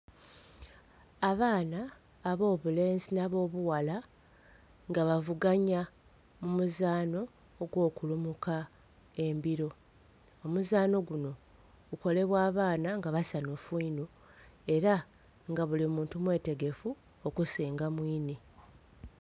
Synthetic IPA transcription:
aβaːnaː | βo̞ːβule̞ːnzinaβo̞ːβuwala | ŋɡaβavuɡaɲa | mumuzaːno̞ː | ɡwo̞ːkulumuka | e̞mbiɾo̞ | omuzaːno̞ɡuno̞ | ɡ̥uko̞le̞βwaːβaːnaŋɡaβasanofuinu | e̞ɾa | ŋɡaβulimuːntumwe̞ːte̞ɡe̞fu | okusiːŋɡamwiːni

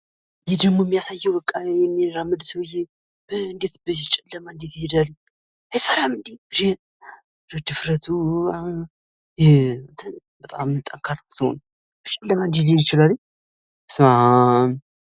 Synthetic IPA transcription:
jɛd̪əɡmomːijasajːɛwbəkʼːaɛmːiɾamːɨd̪səwje | b̥əɨnd̪et̪bəzit͡ʃʼɛlːəmaɨnd̪et̪hed̪alɨɲ | esəɾamɨnd̪iɾe | ɾɨd̪ɨfɾət̪ʰua | jɛɨnt̪ʰə | bət̪ʼamɨlt̪ʼaŋkʰaɾsəho̰n | bt͡ʃʼɛlːəmand̪elejɪt͡ʃɪlalːɲ | sma

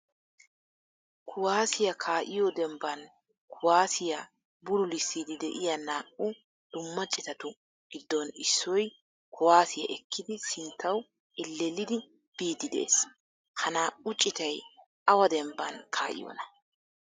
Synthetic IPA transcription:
kʰʊwaːsɪjɐkʰaːʔɪjɔd̪ɛmbɐn | kʰʊwaːsɪjɐ | bʊɾʊlɪsːid̪ɪd̪ɛʔɪjɐnaːʔʊ | d̪̥ʊmːɐt͡ʃʼːɪt̪ɐt̪ʊ | ɡ̥ɪd̪ːɔnɪsːɔj | kʰʊwaːsɪjɐ̰ʔɛkːɪd̪ɪsɪnt̪ʰːɐw | ʔɛlːɛlɪd̪ɪ | b̥iːd̪ɪd̪ɛ̰ʔḛs | hɐnaːʔʊt͡ʃʼːɪt̪ɐj | ʔɐwɐd̪ɛmbɐnkʰa̰ːʔɪ̰jɔ̰nɐ̥

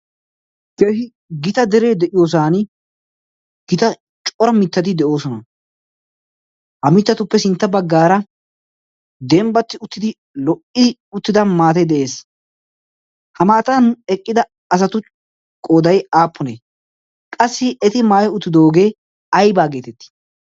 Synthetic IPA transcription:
kehɪ | ɡɪt̪ɐd̪ɛɾeːd̪ɛʔɪjoːs̬aːn | ɡ̥ɪt̪ɐ | t͡ʃʼɔɾɐmɪt̪ːɐt̪̬ɪd̪ɛʔo̞ːsɔnɐ | hɐmɪt̪ːɐt̪ʊpːɛsɪnt̪ːɐbɐɡːaːɾɐ | d̪ɛmbɐt̪ːɪʊt̪ːɪd̪ɪ | lɔʔɪʊt̪ːɪd̪ɐnmaːt̪ɐjd̪ɛʔe̞ːs | hɐmaːt̪ɐnɛkʼːɪd̪ɐ | ɐs̬ɐt̪ʊ | kʼoːd̪ɐjaːpʰːʊneː | kʼɐsːɪɛt̪ɪmaːjɔʊt̪ːɪd̪oːɡeː | ɐjbaːɡe̞ːt̪ɛt̪ːɪ̥

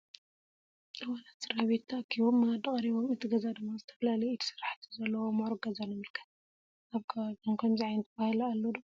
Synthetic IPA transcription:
ɨwanat̪ɨɾaβet̪ʰːɐkʰiβomːad̪ɨχʼɐɾiβo̞mɨt̪ʰɨɡɐzad̪ɨmːazɨt̪ʰɐ̥fɐlalɐjit̪ʰi̥sɨraħt̪ʰi̥zɐlːɐwomoɾɡɐzanmɨlkʰɐ̥ | aβkʰadonkʰɐmziʕajɨnt̪ʰɐβahɨlalːod̪ɨmːa

